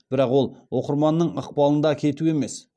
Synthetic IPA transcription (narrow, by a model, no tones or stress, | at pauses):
b̥ɪɾɑqwo̞lˠwo̞qəɾmɑnːəɴəq̚pɑlˠənd̪ɑkʲʰe̞t̪ue̞me̞s